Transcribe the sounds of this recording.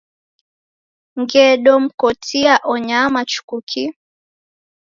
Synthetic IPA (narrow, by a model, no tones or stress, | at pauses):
ŋɡɛɗɔm̩kɔtʰiaʔɔɲamat͡ʃu̥kukʰi